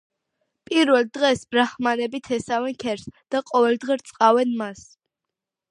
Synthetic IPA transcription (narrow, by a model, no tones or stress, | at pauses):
pʼiɾvɛld̪ʁɛsbɾaχmanɛbit̪ʰɛsavɛnkʰɛɾsd̪̥aqʼɔvɛld̪ʁɛɾt̪sʼqʼavɛnmas